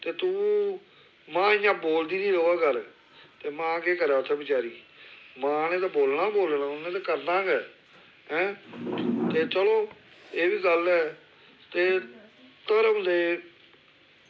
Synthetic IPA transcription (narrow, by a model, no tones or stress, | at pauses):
t̪eːt̪ũː | mãːɪjãːboːld̪iːnĩːɾoːaːkəɾ | t̪eːmãːkeːkəɾaːt̪ʰːẽːbɪt͡ʃaːɾiːmãːnẽːt̪̬aːboːlnãːboːlnãːʊnẽːt̪aːkəɾnãːɡɛː | ɦɛ̃ː | t̪eːt͡ʃəloː | eːbiːɡəlɛː | t̪eː | t̪əɾʊ̃nd̪eː